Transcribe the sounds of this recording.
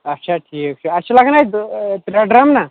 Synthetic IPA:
ɐtːɕʰaʈʰiːkkt͡ʃʰaəɕalaɡnajt̪ɾaɖɾamna

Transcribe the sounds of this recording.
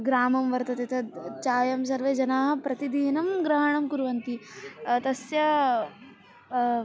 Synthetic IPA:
ɡɾaːmɐmʋɐɾt̪ɐt̪it̪ʰɐd̪t͡ʃaːjɐms̬ɐɾʋeːd͡ʒɐnaːɦɐpɾɐt̪id̪iːnɐmɡɾɐɦɐɳɐmkuɾʋɐnt̪it̪ɐsjɐ

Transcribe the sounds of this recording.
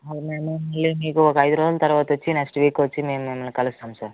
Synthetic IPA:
ɐʋɐmemeːmɐlːiniːɡuoɡɐːjd̪ɾoːzɐlt̪ɐɾʋaːt̪ot͡ʃːinɐkʂʈʋiːkot͡ʃːimeːmemɐlikɐlust̪aːmsaːɾ

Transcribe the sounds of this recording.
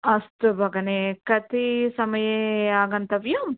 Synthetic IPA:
ɐst̪ubʱɐɡɐnekɐt̪isɐmɐjeaːɡɐnt̪ɐʋjum

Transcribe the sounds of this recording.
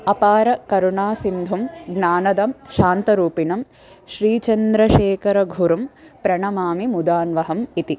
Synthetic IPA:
ɐpaːɾɐkɐɾuɳaːsind̪ʱumɡnaːnɐd̪ɐmʃaːnt̪ɐɾuːpinɐm | ʃɾiːt͡ʃɐnd̪ɾɐʃeːkɐɾɐɡʱuɾɐmpɾɐɳɐmaːmimud̪aːnʋɐɦɐmit̪i

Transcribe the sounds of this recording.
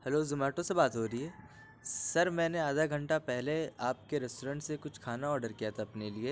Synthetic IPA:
hɐlozʊmaːɾʈõsebaːt̪ɦoːɾɦiɦɛː | sɐɾmɛ̃ːneaːd̪ʱaɡʱɐ̃ɳʈapɛɦleaːp̚keɾɛsʈoːɾə̃ːɳʈsekʊt͡ʃʰkʰaːnaɔːɾɖəɾkijat̪ʰaɐpnelie

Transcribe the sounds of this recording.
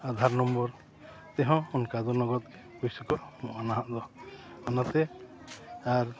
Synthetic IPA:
ad̪ʱaɾnɔmbɔɾ | t̪ɛɦɔ̃ɔnkad̪ɔnɔɡɔt̪̚ | kujsɔkɔʔmɔʔanaɦãʔd̪ɔanat̪ɛ | aɾ

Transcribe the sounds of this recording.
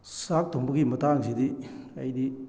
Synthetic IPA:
sak̚tʰoŋbɐɡimɐtaŋzidiɐ̰jdi

